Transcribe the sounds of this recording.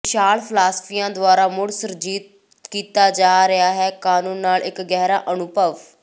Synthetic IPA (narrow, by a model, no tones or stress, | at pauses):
ɪʃaːlpʰlaːspʰijãːd̪ʊaːɾaːmʊɽsəɾd͡ʒiːt̪̚ | kiːt̪aːd͡ʒaːɾɪaːɦɛːkaːnũːnːaːlɪkɡɛːɾa̰ːʔənʊbʱəʋ